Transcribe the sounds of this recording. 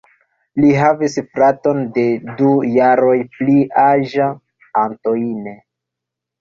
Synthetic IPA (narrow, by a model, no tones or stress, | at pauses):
liɦavisfɾato̞nde̞dujaɾo̞jpliʔaʒa | anto̞ine